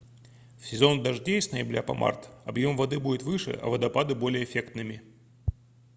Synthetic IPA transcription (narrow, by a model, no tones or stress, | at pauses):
fsʲɪzo̞nd̪ɐʐdʲesʲnəjɪbɾʲa̰pɐ̰mʔa̰rt̪ɐbjo̞mvɐd̪ɨbudʲɪt̪vɨʂɨ̰ʔɐ̰vəd̪ɐpad̪ɨbo̞lʲɪjəfʲe̞kt̪nɨmʲɪ